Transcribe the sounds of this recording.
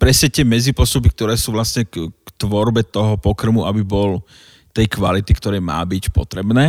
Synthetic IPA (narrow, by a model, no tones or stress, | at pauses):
pɾɛsɛt̪ɛmɛd͡zipɔst̪up̬ik̚t̪ɔɾɛːsuːʋlasɲɛkkt̪ʋɔɾbɛt̪ɔɦɔpɔkr̩muʔabibɔl | t̪ɛjkʋalit̪ikt̪ɔɾɛjma̰ːbicpɔ̰t̪ɾɛbnɛː